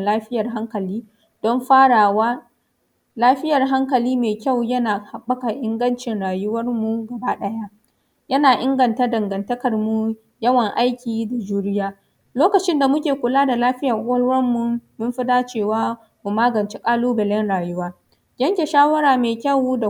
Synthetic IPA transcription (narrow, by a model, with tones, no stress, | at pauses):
laː˦ɸɪ˦jɐ˨rɦa˦ŋkɐ˨liː˦ | d̥ɔ˦mɸaː˦ɽaː˨waː˦ | laː˦ɸɪ˦jɐ˨rɦa˦ŋkɐ˨liː˦meː˨kʲa˦˨wjɐ˦naː˨ha˨ɓːɐ˦ka˨ʔɪ˦ŋɡɐ˦nt͡ʃɪ˨nɽaː˨jʊ˦wɐ˦rmu˨ɡɐ˨baː˦ɗɐ˦ja˦ | jɐ˦naː˨ʔɪ˦ŋɡɐ˨nta˦dɐ˨ŋɡɐ˨ntɐ˦kɐ˨rmu˨ | jɐ˦wɐ˨ŋʔa˦jkʲiː˨da˨d͡ʒuː˦ɽɪ˦jaː˦ | loː˦kɐ˨t͡ʃɪ˦nda˨mʊ˦kʲeː˨kʷʊ˨laː˦da˨laː˦ɸɪ˦ja˨ʔʊ˦wɐ˦lwɐ˦mːu˨mɪ˦mɸɪ˦daː˦t͡ʃeː˦˨waː˦ | mu˨maː˦ɡɐ˨nt͡ʃe˦kʼaː˦luː˦bɪ˨lɛ˦nɽaː˨jʊ˦waː˦ | ɡʲɐ˦ŋkʲe˨ʃaː˦wɐ˦ɾaː˨meː˨kʲɐ˦˨wda˨